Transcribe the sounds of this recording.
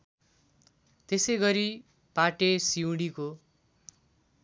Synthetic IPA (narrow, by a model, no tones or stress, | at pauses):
t̪esejɡʌɾi | paʈesiũɽiko